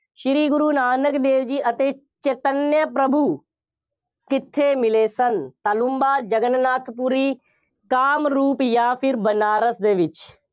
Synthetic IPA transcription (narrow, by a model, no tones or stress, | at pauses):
ʃɪɾiːɡʊɾuːnaːnəkd̪eːʋd͡ʒiːʔɐt̪eː | t͡ʃeːt̪ənjəpɾɐbʱu | kɪt̪ʰːeːmɪleːsɐnt̪ɐlʊmbaːd͡ʒɐɡənnaːt̪ʰpuɾiː | kaːmɾuːpjaːpʰɪɾbənaːɾəsd̪eːʋɪt͡ʃ